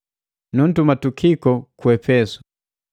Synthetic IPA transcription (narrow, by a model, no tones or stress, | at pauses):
nun̩tumatukʰikɔkwɛpɛsu̥